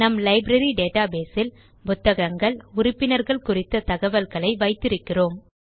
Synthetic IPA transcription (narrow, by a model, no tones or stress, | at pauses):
nɐmlɐɪbɾɐɾiɖeːʈaːbeːsɪl | bʊt̪ːɐɣɐŋɡɐɭʊrɪpːɪnɐɾɣɐɭkʊrɪt̪ːɐt̪ɐɣɐʋɐlɣɐɭɐɪʋɐɪt̪ːɪɾɯkːɪroːm